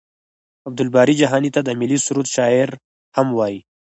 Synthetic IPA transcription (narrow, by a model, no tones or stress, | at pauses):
ab̚d̪ʊlbɑɾid͡ʒaɦɑnit̪ad̪əmɪlisuɾut̪ʃɑɪɾ | hamwɑji